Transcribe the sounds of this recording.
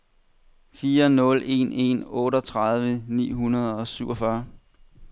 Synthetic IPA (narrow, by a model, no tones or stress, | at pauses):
fiːɐnɔ̽le̝̰ne̝̰nɔ̽ːɾɒ̽t͡sʰʁaðˠʋənḭːɦunɐð̞ˠɒ̽syʊɒ̽fɶɐ